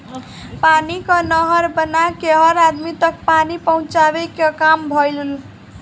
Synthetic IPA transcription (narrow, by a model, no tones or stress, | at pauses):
panikʌnʌɦʌɾbənakeɦʌɾad̪mit̪ʌk̚panipəɦũt͡ʃabekekambʱʌjlul